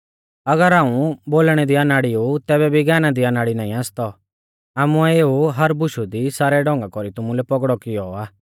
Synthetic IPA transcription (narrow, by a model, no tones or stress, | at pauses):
ɐɡəɾãːũboːlɽ̃ɛd̪ianaːɽiut̪ɛːbɛbʱiɡɛːnad̪ianaːɽinaːĩaːst̪ɔ | aːmuɛeːuɦɐɾbʊʃud̪isaːɾɛɖɔ̃ːŋɡakɔɾit̪ʊmũlɛpɔɡɽɔkɪjɔaː